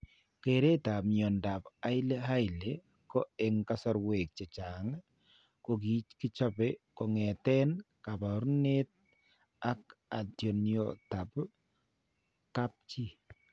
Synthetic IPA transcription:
keɾe˦ta˨pmɔ˨nda˨pa˦jle˦ɦa˦jle | kɔ˦ɛŋkasɔ˦ɾwe˨k̚t͡ʃe˨t͡ʃa˨ŋ | kok̬i˨t͡ʃki˦t͡ʃa˦pɛkɔ˨ŋɛ˨tɛ˦n | ka˨pa˨ɾne˦t̚ | a˦k̚a˨tjɔ˨njo̰ta˨p | ka˦p̚t͡ʃi˦

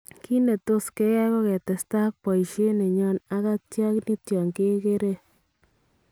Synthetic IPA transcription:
ki˦ne˨to˦ske˦jɛ˦ko˦kɛ˨tɛ˨sta˦k̚pɔ˨jʃe˦ne˨ɲɔ˦na˦ka˦tja˦kni˦tjɔ˨ŋke˦ke˦ɾe˦

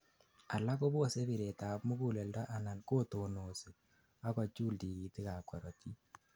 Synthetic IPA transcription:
a˨la˦ko˦bo˦se˦βi˨ɾe˨ta˨pmu˦ku˨le˨lda˦ʔa˨na˨nko˦to˨no˨si˨ | a˦kɔ˨t͡ʃuː˦ldi˨ki˨ti˦ka˨kwɔ˨ɾɔ˨ti˦

